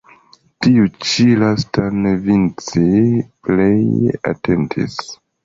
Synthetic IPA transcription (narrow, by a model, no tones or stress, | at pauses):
tiut͡ʃilastanevint͡sipleja̰tentʰḭs